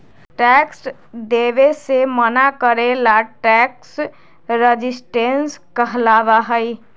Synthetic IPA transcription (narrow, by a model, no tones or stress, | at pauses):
ʈɛks | d̪eʋesemənakəɾelaʈɛks | ɾəd͡ʒisʈenskəɦlaʋaɦəj